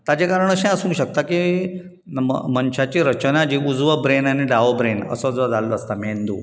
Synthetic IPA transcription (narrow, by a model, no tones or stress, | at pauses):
t̪at͡ɕekaɾəɳ̃əɕɛ̃əsũɕək̚t̪aki | mənɕat͡ɕiɾət͡ɕənad͡ʑiːud͡zʋəbɾenaniɖaobɾenə̰sod͡zʋəd͡zaləst̪amend̪ṵː